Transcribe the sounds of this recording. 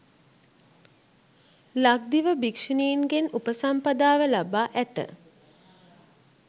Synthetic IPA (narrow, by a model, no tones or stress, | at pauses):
lak̚d̪iʋəbikʂəniːnɡenupəsampad̪aːʋəlabaːʔæt̪ə̰